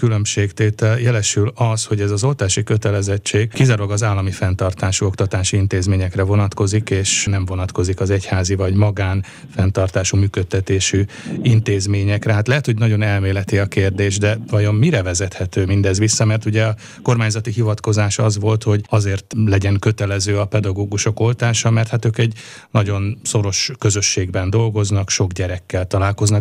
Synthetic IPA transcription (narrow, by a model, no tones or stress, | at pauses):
kylø̞mʃeːkt̪eːt̪ɛljɛlɛʃylɒsho̞ɟɛzɒzo̞lt̪aːʃikøt̪ɛlɛzɛt͡ʃːeːɡkizaɾoɡɒzaːlːɒmifɛnt̪ɒrt̪aːʃuo̞kt̪ɒt̪aːʃiint̪eːzmeːɲɛkrɛvo̞nɒt̪ko̞zikeːʃnɛɱvo̞nɒt̪ko̞zikɒzɛchaːzivɒɟmɒɡaːn | fɛnt̪ɒrt̪aːʃumyːkøt̪ːɛt̪eːʃiint̪eːzmeːɲɛkrɛɦaːt̪lɛɦɛt̪ho̞ɟnɒɟo̞nɛlmeːlɛt̪iɒkeːrd̪eːʒd̪ɛvɒjo̞mːiɾɛvɛzɛt̪hɛt̪øːmind̪ɛzʋisːɒmɛrt̪uɟɛɒ | ko̞rmaːɲzɒt̪iɦivɒt̪ko̞zaːʃɒzʋo̞lt̪ho̞ɟɒzeːrt̪lɛɟɛŋkø̞t̪ɛlɛzøːɒpɛd̪ɒɡoːɡuʃo̞ko̞lt̪aːʃɒmɛrt̪hat̪øːkɛɟ | nɒɟo̞nso̞ɾo̞ʃkøzø̞ʃːeːɡbɛnd̪o̞lɡo̞znɒkʃo̞ɡɟɛɾɛkːɛlt̪ɒlaːlko̞znɒ